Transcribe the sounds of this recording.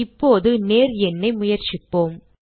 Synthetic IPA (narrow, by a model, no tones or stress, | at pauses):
ɪpːoːðɯneːɾɛnːɐɪmʊjɐɾt͡ʃɪpːoːm